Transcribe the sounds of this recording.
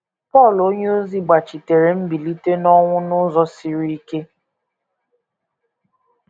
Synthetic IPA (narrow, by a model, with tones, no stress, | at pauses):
pɔ˦˨lo˦ɲe˦o˦zi˦ɡ͡ba˨t͡ʃi˨te˨ɾe˨m̩˦bi˨li˦te˦nɔ˦ŋʷʊ˦nʊ˦zɔ˦si˨ɾi˦ke˦